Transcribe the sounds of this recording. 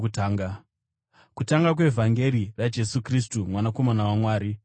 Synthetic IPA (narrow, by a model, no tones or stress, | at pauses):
taːŋɡa | kutaŋɡak̬we̞vʱaŋɡe̞ɾirad͡ʒe̞sukris̬tumwanako̞manawamwaːɾi